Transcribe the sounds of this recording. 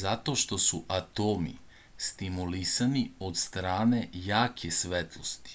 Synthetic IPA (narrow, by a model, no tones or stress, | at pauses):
zat̪o̞ʃt̪o̞suʔat̪oːmḭ | st̪imulisanio̞d̪st̪ɾaːne̞jaːkʰesʋet̪lˠost̪i̥